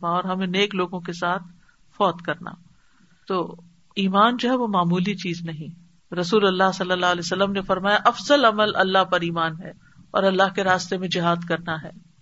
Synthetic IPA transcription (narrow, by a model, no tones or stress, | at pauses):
aɔːɾɦɐmẽneːkloːɡõkesaːt̪ʰ | fɔːt̪kɐɾna̰ː | t̪oː | iːmaːnd͡ʒoɦɛʋomaːmuːlit͡ʃiːznɐɦĩ | ɾɐsuːlɐlːaɦsɐlːəlːaːɐleːsɐlːəmnefɐɾmaːjaʔɐfzəlɐməlʔɐlːaɦpɐɾiːmaːnɦɛː | ɔ̰ːɾɐlːaɦkeɾaːst̪emẽd͡ʒɪɦaːd̪kɐɾnaɦɛː